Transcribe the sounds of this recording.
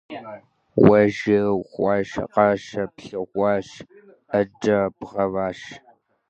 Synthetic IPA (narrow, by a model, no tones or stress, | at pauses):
wʷɐʒɪʁʷɑːʃɐ̰qɐʃɐpɬɨʁʷɑːʃ | ɐdɐbʁɐvaːʃ